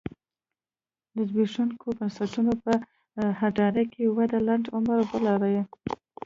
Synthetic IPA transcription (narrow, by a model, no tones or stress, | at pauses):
d̪əzbiʂuŋkʰobənsaʈunopə | haɖɑɾakʰewad̪alaɳɖʊmaɾbəlɑɾaje